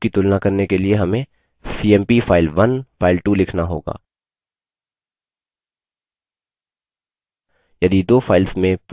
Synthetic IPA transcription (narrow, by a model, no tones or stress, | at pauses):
kit̪ʊlnakɐɾnekelieɦɐmẽ | siːɛːmpifʰaːɪlʋɐnfaːɪlʈulɪkʰnaɦoːɡa̰ː | jɐd̪id̪oːfʰaːɪlsmẽp